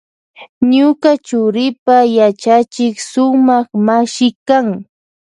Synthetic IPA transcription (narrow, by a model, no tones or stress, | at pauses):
ɲʊkat͡ʃʊɾɪpajat͡ʃat͡ʃɪksʊmɑχmaʃɪkaŋ